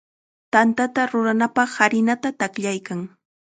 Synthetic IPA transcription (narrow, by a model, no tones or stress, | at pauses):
t̪ant̪at̪aɾʊɾanapɑχːaɾɪnat̪at̪akʎajkaŋ